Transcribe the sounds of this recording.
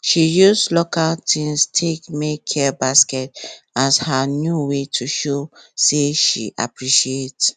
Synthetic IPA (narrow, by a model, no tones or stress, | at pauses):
ʃijuslokaltʰĩnstʰekmekʰɛbaskɛtashanjuwetʰuʃoseʃḭʔa̰pɹiʃiet